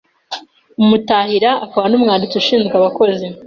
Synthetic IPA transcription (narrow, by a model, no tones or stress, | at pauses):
umutaːhiɾaːkaβanuːmŋaːndit͡siuʃiːnzɡwaβako̞zi